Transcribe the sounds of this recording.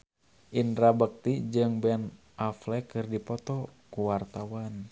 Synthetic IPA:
ʔinɾabək̚t̪id͡ʒɨŋbɛn | ʔaflɛkɨrdipɔt̪ɔkuwart̪awan

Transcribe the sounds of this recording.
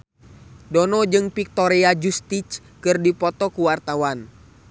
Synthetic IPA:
dɔnɔd͡ʒɨŋpik̚t̪ɔɾead͡ʒust̪it͡ʃ | kɨrdipɔt̪ɔkuwart̪awan

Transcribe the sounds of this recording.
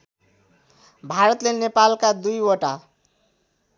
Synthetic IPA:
bʱaɾʌt̪lenepalkad̪ujoʈa

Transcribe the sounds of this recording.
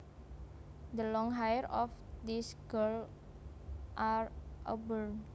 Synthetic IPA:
d̪əlɔŋɦajəɾɔfd̪isɡ̥əl | ʔarʔo̰bəl

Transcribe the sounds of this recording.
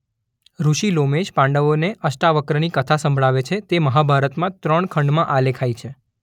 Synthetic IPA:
ɾuʃilomeʃpãɳɖəʋoneʔəsʈaʋəkɾənikət̪ʰasə̃mbʱɭaʋet͡ʃʰet̪eməɦabʱaɾət̪mãt̪ɾəɳkʰəɳɖmãʔalekʰajt͡ʃʰe

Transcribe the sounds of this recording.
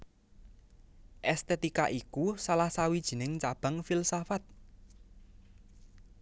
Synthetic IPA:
ʔɛst̪et̪ikaʔikusalahsawid̥ʒ̥i̤nɪŋt͡ʃab̥a̤ŋfilsafat̪̚

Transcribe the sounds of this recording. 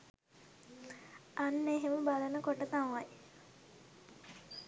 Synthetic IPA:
anːeɦeməbalənəkoʈət̪amaj

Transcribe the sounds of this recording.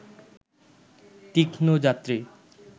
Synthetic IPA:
t̪ikʰnod͡ʑat̪ːɾi

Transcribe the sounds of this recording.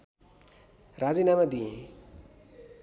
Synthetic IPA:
rad͡zinamad̪ijẽ

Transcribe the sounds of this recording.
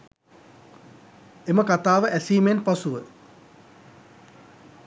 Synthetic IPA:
eməkat̪aːʋəʔæsiːmenpasuʋə

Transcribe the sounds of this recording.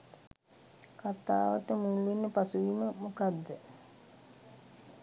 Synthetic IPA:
kat̪a̰ːʋəʈəmuːlinːəpasuʋiməmukad̪ːə

